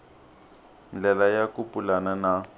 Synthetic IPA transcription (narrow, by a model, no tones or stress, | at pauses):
n̩lɛlajakupʼulanana